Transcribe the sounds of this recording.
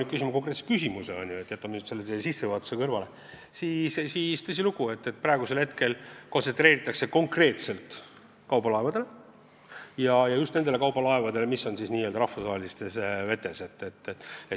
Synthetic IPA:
ny̥kysimɑko̞kret̪se̥kysʲimuseɑ̰nʲjue̞t̪ːˑjɑt̪ːˑɑmenyt̪se̞lːet̪ejsisːevɯɑt̪u̥se̞kɤrvɑle̞ | siːssiːst̪ɤs̬ʲiluɡ̥ue̞t̪ːet̪̚ːprɑeɡ̥use̞lhet̪ke̞lko̞nse̞nt̪ɾeːɾit̪ːˑɑkse̞ko̞ŋkre̞ːt̪se̞lt̪ | kɑwbɑlɑe̞vɑd̪e̞le | jɑjɑjust̪nend̪ele̞kɑwbɑlɑevɑd̪e̞le̞misːo̞nsisnʲiːøld̪ɑɾɑhfusʋɑɦelist̪e̞sve̞t̪ːˑe̞se̞t̪ːe̞t̪ːeˑe

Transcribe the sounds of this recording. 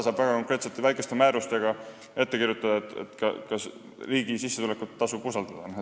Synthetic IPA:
sɑːb̥væɡ̥ɑko̞ŋkˑɾe̞ːt̪set̪ːˑevæjkest̪e̞mæːɾust̪e̞ɡ̥ɑ | e̞t̪ːe̞kiɾjut̪ːˑɑd̪ɑet̪ḛt̪kɑ̰kɑs | riːɡ̥isisːe̞t̪ule̞kːˑut̪ːɑsubusɑld̪̥ɑd̪̥ɑ

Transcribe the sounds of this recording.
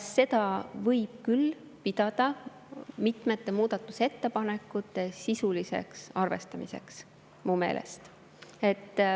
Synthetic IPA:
sːe̞d̪ɑvɤjb̥̚kyl | pid̪̥ɑd̪̥ɑ | mit̪ˑmet̪ˑːe̞muːd̪̥ɑt̪ːˑuse̞t̪ːe̞pɑne̞kːˑut̪ːˑe̞sisulise̞̰ksɑrve̞̰st̪ɑmise̞̰ks | muːme̞̰ːlʔḛst̪ | e̞t̪ː

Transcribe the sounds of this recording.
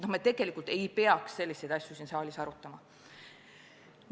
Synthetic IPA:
nohmett̪eɡ̥e̞likːˑult̪ˑe̞jpe̞ɑksse̞lʲːisejd̪̥ɑsjusinsɑːlʲisɑɾut̪ːˑɑmɑ

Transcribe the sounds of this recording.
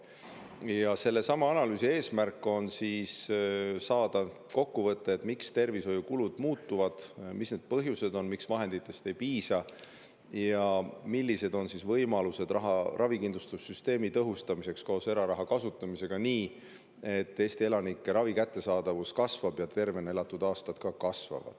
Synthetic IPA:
jɑse̞lːe̞sɑmɑɑnɑlyːsie̞ːsmærkːˑo̞nsissɑːd̪̥ɑ | ko̞kːuvɤt̪ˑːeet̪ːmikst̪e̞rviso̞jukulud̪̥muːt̪ːuvɑd̪̥misne̞d̪̥̚pɤɦjuse̞d̪o̞nmiksvɑɦe̞nd̪̥it̪ːˑe̞st̪ejpiːsɑ | jɑmilːise̞d̪o̞nsisvɤjmɑluse̞d̪rɑɦɑrʔɑvikinlust̪usːyst̪e̞ːmit̪ɤɦust̪ɑmise̞ksko̞ːse̞ɾɑɾɑɦɑkɑsut̪ːˑɑmise̞ɡ̥ɑniː | e̞t̪ːˑe̞ːst̪ie̞lɑnikːˑeɾɑvikæt̪ːe̞sɑːd̪̥ɑvuskɑsvɑb̥jɑt̪e̞rve̞ne̞lɑt̪ːˑud̪ɑːst̪ɑd̪̥kɑkɑsvɑ̰vɑ̰d̪̥

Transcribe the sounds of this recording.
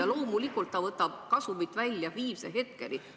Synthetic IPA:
ɑlo̞ːmulikːˑult̪ːɑvɤt̪ːˑɑb̥̚kɑsumit̪ːˑvælʲjɑviːseɦe̞t̪̚ke̞̰lʔi

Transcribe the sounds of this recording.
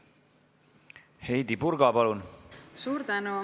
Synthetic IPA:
hejd̪ipurɡɑpɑlunsuːɾt̪ænu

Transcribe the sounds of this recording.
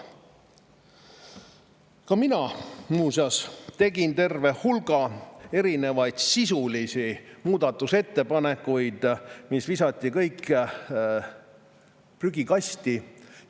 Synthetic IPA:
kɑminɑmuːsɑst̪e̞ɡint̪e̞rve̞hhulɡ̥ɑe̞ɾine̞vɑjd̪̥sisulisimuːd̪̥ɑt̪ːˑuse̞t̪ːe̞pɑne̞kːˑujd̪̥misvisɑt̪ʲːˑikɤjkː | pryɡikɑst̪i

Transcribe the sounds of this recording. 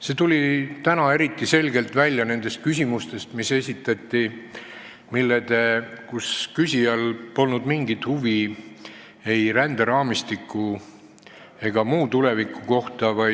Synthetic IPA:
se̞t̪ulʲit̪ænɑe̞ɾit̪ːˑise̞lɡe̞lt̪vælʲːjɑne̞nd̪e̞st̪̚kysʲimust̪e̞st̪mise̞sʲit̪ːˑɑt̪ˑːi | milːed̪̥ekuskysʲijɑlpo̞lnud̪miŋɡit̪huvi | e̞jɾænd̪̥eɾɑːmist̪ikːˑu | e̞ɡ̥ɑmuːt̪ule̞vikːˑuko̞ht̪ɑvɑj

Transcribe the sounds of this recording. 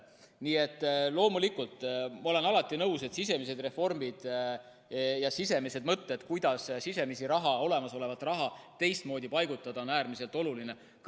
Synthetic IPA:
niːe̞t̪ːˑlo̞ːmulikult̪ˑːmɑo̞le̞nɑlɑt̪ːˑinɤwse̞t̪sise̞mise̞d̪re̞fo̞rmid̪̥ | jɑsise̞mise̞d̪mɤt̪ːed̪̥kujd̪̥ɑssise̞misiɾɑɦɑo̞le̞mɑso̞le̞vɑt̪ːˑrɑɦɑt̪e̞jst̪mo̞ːd̪ipɑjɡut̪ːˑɑd̪̥ɑo̞næːrmise̞lt̪ˑo̞luline̞ | k

